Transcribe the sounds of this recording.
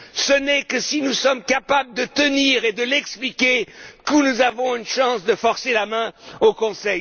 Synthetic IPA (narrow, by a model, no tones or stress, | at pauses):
sənɛkəsinusɔmkapabləd̪ət̪əniːʁed̪əlɛksplikʲekunuzavɔ̃ynʃɑ̃sd̪əfɔʁselamɛ̃okɔ̃sɛj